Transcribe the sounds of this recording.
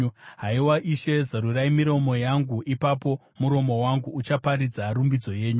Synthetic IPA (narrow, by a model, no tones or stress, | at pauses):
ɦaiwaʔiʃe̞zaɾuraimiɾo̞mo̞jaŋɡuʔipapo̞ | muɾo̞mo̞waŋɡuːt͡ʃapaɾid͡zarumbid͡zo̞je̞ːɲu